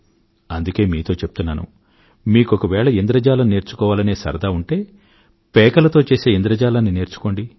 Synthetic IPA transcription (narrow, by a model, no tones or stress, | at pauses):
ɐnd̪uke̞ːmiːt̪o̞ːt͡ʃep̚t̪unːa̰ːnṵ | miːkɔkɐʋɛːɭɐind̪ɾɐd͡ʒaːlɐnne̞ːɾt͡ʃu̥kɔːʋaːlɐne̞ːsɐ̰ɾɐd̪aːuɳʈe̞ː | pɛːkɐlɐt̪o̞ːt͡ʃe̞ːse̞ːind̪ɾɐd͡ʒaːlɐnːine̞ːɾt͡ʃu̥ko̞ːɳɖi